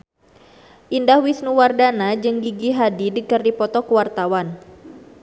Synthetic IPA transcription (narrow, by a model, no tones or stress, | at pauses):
ʔindahwisnuwardanad͡ʒɨŋɡiɡiɦadidəkərdipɔt̪ɔkəwart̪awan